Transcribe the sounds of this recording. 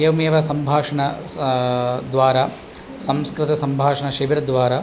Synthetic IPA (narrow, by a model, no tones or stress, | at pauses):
jɐʋɐmeːʋɐsɐmbʱaːʂɐɳɐ | d̪ʋaːɾa | sɐmskɾɪt̪ɐsɐmbʱaːʂɐɳɐʃɐʋiɾɐd̪ʋaːɾa